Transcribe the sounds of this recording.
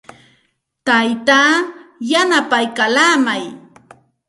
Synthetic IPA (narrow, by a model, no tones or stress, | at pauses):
t̪ajt̪aːjanapajkalaːmaj